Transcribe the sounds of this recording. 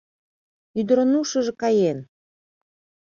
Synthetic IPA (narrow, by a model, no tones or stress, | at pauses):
yd̪əɾonuʃə̆ʒĕkɑjen